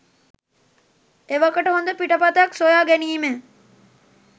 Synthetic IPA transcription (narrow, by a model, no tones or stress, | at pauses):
eʋakəʈəɦond̪əpiʈəpat̪əjaksojaːɡæniːme